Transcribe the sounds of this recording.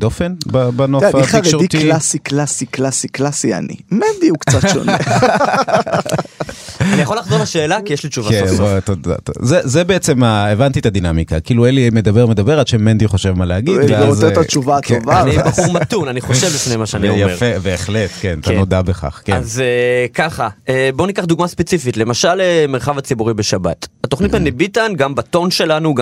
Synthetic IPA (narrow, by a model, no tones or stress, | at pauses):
d̪o̞fenbabanofaχavkʃoʁit̪ilasiklasiklasiklasia̰nḭmend̪iukt͡satʃo̰ne | anijaχolaχzolaʃe̞ːlakijeʃlit͡ʃuvvaezat̪oda̰tzezebeet͡se̞maevant̪it̪ad̪inamikakiːluelimed̪abeʁmed̪abe̞ʁadʃemːend̪iχo̞ʃevmaleaɡiveozetat͡ʃuvat̪ovanibaχuʁmat̪unaniχo̞ʃe̞vlifnejmaʃeanijafeveːχlet̪kenatanod̪abeχa̰χkeazekaχaebo̞nikaχd̪uɡmaspet͡sifitle̞maʃalemeʁχavat͡sibuʁibe̞ʃaba̰tat̪o̞χnit̪menibitanɡambato̞nʃe̞lanuɡ